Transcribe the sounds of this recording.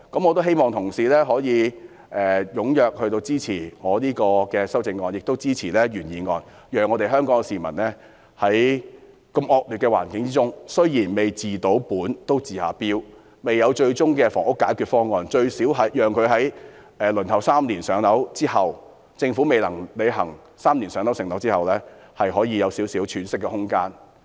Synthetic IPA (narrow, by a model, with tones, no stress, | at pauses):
kɐ˨˥mŋɔː˨˧t̪o˥wɦe˥jmɔː˨ŋt̪ʰʊ˨˩ŋsiː˨˧lɛː˥ɦɔː˨˥jiː˨˧ | ʔɛː˨jʊ˨˥ŋjœː˨k̚hɵ˧t̪o˧wt͡siː˥t͡sʰiː˨˩ŋɔː˨˧liː˥kɔː˧kɛː˧sɐ˥wt͡sɪ˨˧ŋːɔː˧njɪ˨k̚t̪o˥wt͡siː˥t͡sʰiː˨˩lɛː˥ɥyː˨˩njiː˨˩ŋɔː˧n | jœː˨ŋːɔː˨˧ɾe˨ɦœː˥ŋkɔː˨˥ŋ˧siː˨˩mɐ˨˩nlɛː˥ | hɐ˨˥j | kɐ˧mʔɔː˧k̚ly˨tkɛː˧wa̰ː˨˩nkɪ˨˦ŋt͡siː˥t͡sʊ˥ŋsɵ˥ɥjiː˨˩nme˨jt͡siː˨t̪o˨˥wpuː˨˥nt̪o˥wt͡siː˨haː˨˩piː˥w | me˨jɐ˨˧wt͡ʃɵ˧ɥt͡sʊ˥ŋkɛː˧fɔ̰ː˨˩ŋʊ˥kːaː˨˥jkʰyː˨˧t̚fɔː˥ŋɔː˨˧nt͡ʃɵ˧ɥsiː˨˥wɦɐ˨jjœː˨ŋkʰɵ˨˧ɥɦɐ˨˥j | ɛː˨˧lɵ˨˩nt̪ʰɐ˨˩wsaː˥mliː˨˩nsœː˨˥ŋt̪ɐ˨˥wt͡siː˥hɐ˨w | t͡sɪ˧ŋfuː˨˥me˨˩jlɐ˨˩ŋle˨˧ɦɐ˨˩ŋ | saː˥mnliː˨˩nsœː˨˧ŋnɐ˨˥wsɪ˨˩ŋnɐ˨˥wt͡siː˥hɐ˨˩wlɛː˥hɐ˨jɦɔː˨˥jiː˨˧jɐ˨˧wsi˨˥wsiː˨˥wt͡ʃʰyː˨˥nsɪ˥kːɛ˧hʊ˥ŋkaː˥n